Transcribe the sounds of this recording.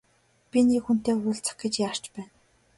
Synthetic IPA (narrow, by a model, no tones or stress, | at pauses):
pʲinikxun̥t̪eːʊːɬt͡sə̆χɡĕt͡ɕjaːr̥t͡ɕpæːn